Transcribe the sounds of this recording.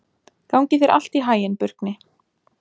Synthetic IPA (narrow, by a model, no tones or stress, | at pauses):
kawɲcɪθɛɾʔa̰l̥t̪iɦaːjɪnpʏɾ̥knɪ